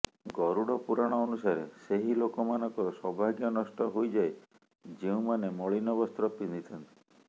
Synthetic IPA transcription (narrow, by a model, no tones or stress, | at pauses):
ɡɔɾuɽɔpuɾaɽ̃ɔːnusaɾeseɦilokɔmanɔ̃ŋkɔɾɔsɔbʱaɡjɔnɔsʈɔɦojd͡ʒaj | d͡ʒeũmanemɔɭinɔbɔst̪ɾɔpind̪it̪ʰɔnt̪i̥